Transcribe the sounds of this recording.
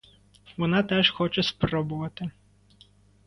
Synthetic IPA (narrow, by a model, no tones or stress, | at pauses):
ʋɔnɑt̪ɛʒxɔt͡ʃɛspɾɔbʊʋɐt̪ɪ